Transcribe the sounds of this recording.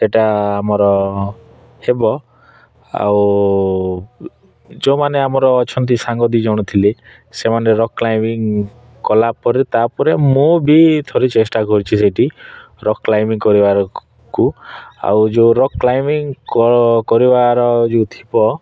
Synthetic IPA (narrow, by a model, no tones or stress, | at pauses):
eʈaːmɔɾɔ | hebɔ | a̰w | d͡ʒomaneamɔɾɔːt͡ʃʰɔnt̪̬isaŋɡɔd̪id͡ʒawɽ̃ɔt̪ʰile | semaneɾɔkːlajmiŋ | kɔlapɔɾit̪apɔɾemũbit̪ʰoɾit͡ʃesʈakɔɾit͡ʃʰiseʈi | ɾɔklajmiŋkɔɾibaɾɔ | kua̰wd͡ʒoɾɔkklajmiŋkɔkɔɾibaɾɔd͡ʒet̪ʰibɔ